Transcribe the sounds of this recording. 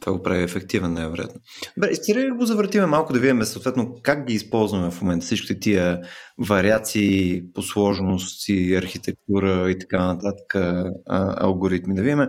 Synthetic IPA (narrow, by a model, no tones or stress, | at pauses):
t̪ova̰ɡopɾaviɛfɛkt̪ivɛnnajvɛɾoja̰t̪nod̪bɾɛist̪iɾiɡozɐvɾət̪imɛmalˠkʊd̪ɐvid̪imɛsəot̪vɛt̪lnokak̚ɡiːspɔlˠzvɐmɛfmomɛnt̪ə̥sit͡ʃkʲi̥t̪ɛt̪iəvɐɾiat̪siːposlˠɔʒnost̪iɐɾxit̪ɛk̚t̪uɾəit̪ɐ̥kanɐt̪at̪ə̥kə | ɐ̰lˠɡoɾit̪mid̪ɐvid̪ʲimɛ